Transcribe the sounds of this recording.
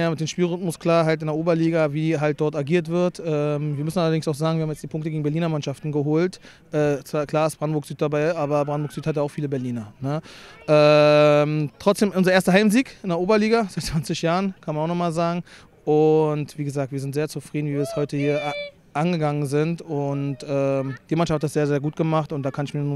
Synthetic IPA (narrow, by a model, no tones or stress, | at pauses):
jaːmɪt̚d̥eːmʃpiːlʁʏtmʊskl̥aːɐɦaltɪndeɐʔoːbɐliːɡaviːɦalt̚d̥ɔɐtaɡiːɐtv̥ɪɐtʔɛːmviːɐmʏsn̩ʔalɐdɪŋsaʊxz̥aːɡŋ̩viɐhamjɛt͡sd̥iːpʰʊŋktəɡeːɡŋ̩bɛɐliːnɐmanʃaftn̩ɡəɦoːlt | ʔɛːt͡sv̥aːkʰl̥aːɐɪstb̥ʁandn̩boɐkz̥yːt̚d̥abaɪʔaːbɐbʁandnbokz̥yːthat̬jaʊfiːləbɛɐliːnɐnəʔɛmtʁ̥ɔt͡sd̥eːmʔʊnzɐeːɐstəɦaɪmziːkʔɪndeɐʔoːbɐliːɡazaɪtt͡sv̥ant͡sɪçjaːʁənkʰanmanaʊxnɔχmaːlzaːɡŋ̩ | ʔʊntv̥iːɡəzaːk̚tv̥iːɐzɪntz̥eːɐt͡sufʁ̥iːdn̩viːviːɐɛshɔʏtəhiːɐ | ʔanɡəɡaŋənzɪntʊntʔɛːmd̥iːmanʃafthatz̥eːɐzeːɐɡuːt̚ɡ̥əmaχtʊntd̥aːkʰanɪçmiɐnn